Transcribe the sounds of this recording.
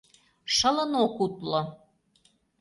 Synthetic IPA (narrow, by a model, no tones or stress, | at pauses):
ʃə̆lənokut̪lŏ